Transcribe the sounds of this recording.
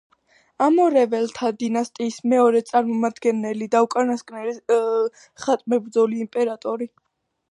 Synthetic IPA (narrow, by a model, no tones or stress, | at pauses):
amɔɾɛvɛlt̪ʰad̪inast̪ʼiːsmɛɔɾɛt̪sʼaɾmɔmad̪ɡɛnɛlid̪aukʼanaskʼnɛli | χat̪ʼmɛbɾd̪zɔliːmpʼɛɾat̪ʼɔɾi